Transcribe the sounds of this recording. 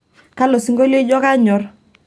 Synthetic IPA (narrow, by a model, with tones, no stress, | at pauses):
ka˦lɔ˨si˦ŋɡo˦le˦d͡ʒɔ˦ka˦ɲɔ˨r